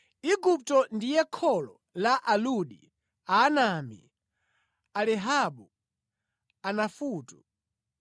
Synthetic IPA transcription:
iɡup̚tɔndijɛkʰɔlɔ | laʔaluɗi | aːnamḭ | alɛɦaɓu | anafuːtu

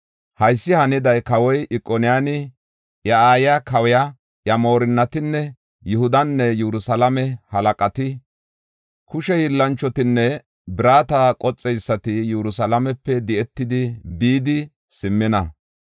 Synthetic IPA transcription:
hɐjsːɪhɐnɪd̪ɐjkɐwɔjʔɪkʼːɔnɪjaːnɪ | jɐaːjakɐwɛja | jɐmo̞ːɾɪnːɐt̪ɪnːɛ | jʊhʊd̪ɐnːɛjɛɾʊsɐlɐmɛhɐlɐkʼɐt̪ɪ | kʊʃɛhilːɐnt͡ʃːɔt̪ɪnːɛ | bɪɾaːt̪akʼɔt͡sʼːɛjsːɐt̪ɪjɛɾʊsɐlɐmɛpːɛd̪ɛɛt̪ːɪd̪ɪbiːd̪ɪ | sɪmːɪnɐ

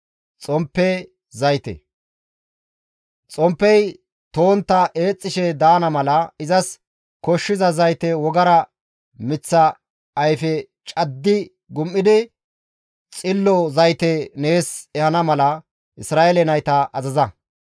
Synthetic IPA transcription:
t͡sʼɔmpːɛ | zɐjt̪ɛ̰ | t͡sʼɔmpːɛj | t̪o̞ːnt̪ːɐʔe̞ːt͡sʼːɪʃɛd̪aːnɐmɐlɐɪzɐs | kɔʃːɪzɐzɐjt̪ɛwɔɡɐɾɐ | mɪt͡sːɐː | jfɛ | t͡ʃʼɐd̪ːɪ | ɡʊmːɪd̪ɪ | t͡sʼɪlːɔzɐjt̪ɛne̞ːsɛhɐnɐmɐlɐ | ʔɪsɾaːʔelɛnɐjt̪ɐʔɐzɐzɐ

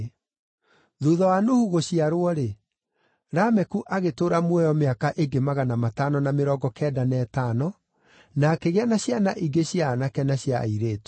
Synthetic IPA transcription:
ðuːðɔwanohuɣoɕiaɾwɔɾe | ɾamɛkuʔaɣetoːɾamwɛjɔmeakaʔeɡemaɣanamatanɔnameɾɔɡɔkɛdanɛːtaːnɔ | nakeɣɛnaɕjanaʔiɡeɕjaːnakɛnaɕiaiɾeːto̥

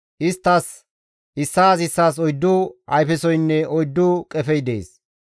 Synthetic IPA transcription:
ʔɪst̪ːɐs | ʔɪsːaːsɪsːaːs̬ɔjd̪ːʊɐjfɛsɔjnːɛɔjd̪ːʊkʼɛfɛjd̪ḛːs

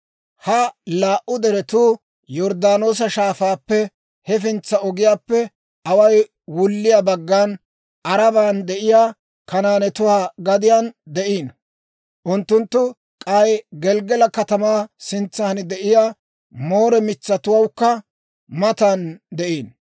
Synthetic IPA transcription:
hɐlaːʔʊd̪ɛɾɛt̪uː | jɔɾd̪aːno̞ːs̬ɐʃaːfaːpːɛ | hɛfɪnt͡sːɐɔɡɪjaːpːɛ | ɐwɐj | wʊlːɪjaːbɐɡːaːn | ʔɐɾɐbaːnd̪ɛʔɪjaː | kɐnaːnɛt̪ʊwaːɡɐd̪ɪjaːnd̪ɛʔiːn | ʔʊnt̪ːʊnt̪ːʊ | kʼɐjɡɛlɡɛlɐkɐt̪ɐmaːsɪnt͡sːaːnɪd̪ɛʔɪjaː | mo̞ːɾɛmɪt͡sːɐt̪ʊwɐwkːɐ | mɐt̪ɐnd̪ɛʔiːn

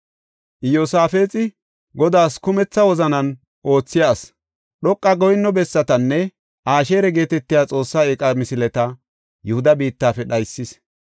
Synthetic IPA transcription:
ʔɪjosaːfe̞ːt͡sʼɪ | ɡɔd̪aːskʊmɛt͡sːɐwɔzɐnɐn | ʔo̞ːt͡sːɪjaːs | ɗɔkʼːɐɡɔjnːɔbɛsːɐt̪ɐnːɛ | ʔaːʃe̞ːɾɛɡe̞ːt̪ɛt̪ːɪjaːt͡sʼo̞ːsːaekʼɐmɪsɪlɛt̪ɐ | jʊhʊd̪ɐbiːt̪ːaːfɛɗɐjsːɪs

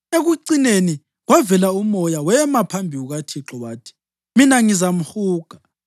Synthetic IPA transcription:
eɣuǀineni | ɣwavɛlaumɔjawɛmapʰambʱiwuɣatʰiǁɔwaːtʰi̥ | minaŋizam̩huːɡ̥ʱa

